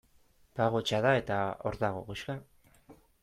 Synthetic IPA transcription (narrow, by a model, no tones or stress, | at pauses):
baɣot͡ʃaðae̞t̪ao̞ɾðaɣ̞o̞̰ɣuʃka